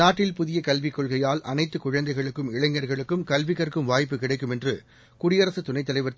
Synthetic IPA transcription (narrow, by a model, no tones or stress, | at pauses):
aːʈːɪlpʊðɪjɐkɐlʋikːɔɭɣɐjaːlʔɐ̰nɐɪt̪ːɯkʊɻɐnd̪ɐɪɣɐɭɯkːɯmɪɻɐŋɡɐɾɣɐɭɯkːɯmkɐlʋɪkːɐrkɯmʋaːjpːɯkɪɽɐɪkːɯmɛndrɯ | kʊɽɪjɐɾɐsɯt̪ʊnɐɪt̪ːɐlɐɪʋɐɾ